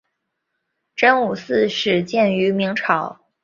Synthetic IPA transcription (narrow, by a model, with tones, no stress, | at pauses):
ʈ͡ʂə˥nu˨˩sɹ̩˥˧ʂɻ̩˥˩t͡ɕjɛ˥˩ny˧˥mi˧˥ŋʈ͡ʂʰɑ˨˩˦ʊ